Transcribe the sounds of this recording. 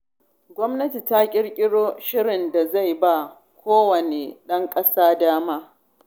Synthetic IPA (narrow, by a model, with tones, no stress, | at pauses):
ɡʷɔ˦mnɐ˦ti˨ta˦kʲʼɪ˦ɽkʲʼɪ˦ɽoː˦ʃɪ˦ɽɪ˨nda˨za˦˨jba˦˨ | kʷʰoː˦wɐ˨neː˨ɗɐ˦ŋkʼɐ˦saː˦daː˦maː˦